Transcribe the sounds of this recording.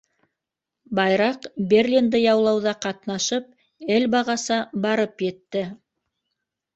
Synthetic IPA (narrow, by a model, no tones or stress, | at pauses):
bɑjɾɑqbʲerʲlʲind̪ɤjɑwlˠɑwðɑqɑt̪nɑʃɤp̚ | ɘlbɑʁɑsɑbɑɾɤpjɘ̆t̪ːɘ